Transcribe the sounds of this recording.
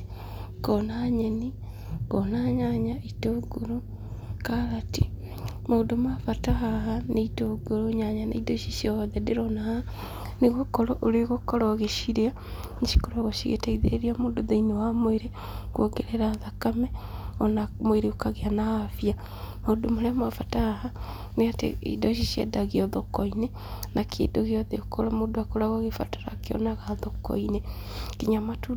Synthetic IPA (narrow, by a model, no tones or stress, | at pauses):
kɔnaɲɛni | kɔnaɲaɲaitoɡoɾo | kaɾati | maodomafataɦaɦaneitoɡoɾoɲaɲanḛidoʃisiɔðɛdeɾɔnaha | neɣokɔɾɔʔoɾeɣokɔɾɔɣeʃiɾea | niʃi̥koɾaɣoʃiɣḛtaiðḛɾiamoːdoðeinewamoeɾe | ɣwoɡeɾeɾaːðakamɛɔnamoeɾeokaɣeanaafia | modomoɾeamafataha | neatḛḭdɔʃiʃiɛ̰daɣiɔðɔkɔinɛ | nakʰḛːdoɣeɔðɛokʰɔɾɔmodoakoɾaɣɔɣefatḁɾa̰keɔ̰naɣaðɔkɔ̰inɛ | kiɲamatu